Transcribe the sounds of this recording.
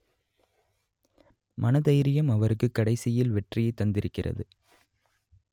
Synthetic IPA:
mʔɐnɐðɐjɾɪjɐmɐʋɐɾɯkːɯkːɐɽɐɪsɪjɪlʋɛʈrɪjɐɪt̪ːɐnd̪ɪɾɯkːɪrɐ̰ðɯ

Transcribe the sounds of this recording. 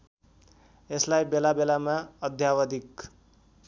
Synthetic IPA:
eslajbelabelamaʌd̪ʱjawʌd̪ik

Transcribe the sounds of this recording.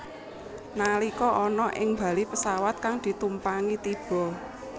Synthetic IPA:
nalikɔʔɔnɔʔɪŋmba̤lipəsawat̪̚kaŋd̪̥i̤t̪umpaŋit̪ib̥ɔ̤

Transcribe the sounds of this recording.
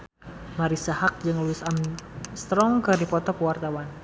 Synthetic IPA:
maɾisahak̚d͡ʒɨŋluɪsamst̪ɾɔŋkɨrdipɔt̪ɔkəwart̪awan

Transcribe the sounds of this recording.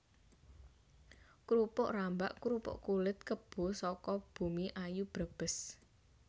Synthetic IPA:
kɾupʊʔrambaʔkuɾupʊ̰ʔkulɪt̪̚kəb̥o̤sɔkɔb̥ṳmiʔajub̥ɾəb̥ə̤s

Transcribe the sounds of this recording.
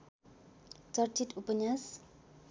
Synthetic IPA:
t͡sʌrt͡ʃitupəɲas

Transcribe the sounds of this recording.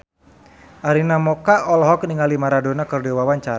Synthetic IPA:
ʔaɾinamɔkaʔɔlɦɔkniŋalimaɾadonakɨrdɛwawaɲt͡ʃaɾ

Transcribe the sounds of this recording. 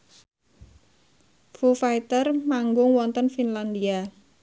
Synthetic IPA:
fufajt̪ərmaŋɡʊŋwɔnt̪ənfinland̪ia

